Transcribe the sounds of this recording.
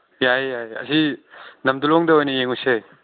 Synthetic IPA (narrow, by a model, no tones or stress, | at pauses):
jajːajɐ̰sinɐmdulɔŋdɐojnɐjeŋujse